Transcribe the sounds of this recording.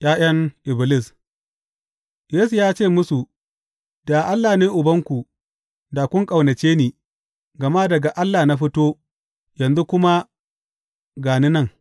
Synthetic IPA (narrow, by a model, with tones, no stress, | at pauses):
j̰ʔaː˦j̰ɐ˦ŋʔɪ˨bɪ˨lɪ˦˨s | jeː˦su˨jaː˦t͡ʃeː˦˨mʊ˦su˨ | da˨ʔa˦lːaː˨neː˦ʔʊ˨bɐ˦ŋkʷu˨ | da˨kʷʊ˦ŋkʼa˨wnɐ˨t͡ʃeː˦niː˨ | ɡɐ˨ma˦dɐ˨ɡa˨ʔa˦lːaː˨na˦ɸɪ˦toː˦ | jɐ˨nzu˦kʷʊ˦ma˦ | ɡaː˨ni˦nɐ˦ŋ